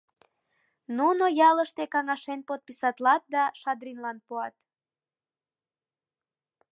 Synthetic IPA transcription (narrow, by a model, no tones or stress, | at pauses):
nunojɑləʃt̪ekɑŋɑʃenpot̪̚pisɑt̪lɑt̪̚d̪ɑʃɑd̪rinlɑnpuɑt̪